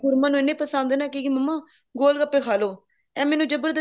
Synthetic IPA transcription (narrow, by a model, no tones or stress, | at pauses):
ʊɾmãːnũːɪnːẽːpəsãːnd̪eːnaːkikiməmːãː | ɡoːlɡapːeːkʰaːloː | ɛ̃ːmɛːnũːd͡ʒəbəɾd̪